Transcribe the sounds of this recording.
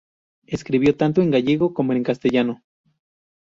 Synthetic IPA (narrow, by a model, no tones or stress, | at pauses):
e̞skɾiβjo̞t̪ant̪oe̞ŋɡaʝeɣo̞ko̞moeŋkast̪eʝano̞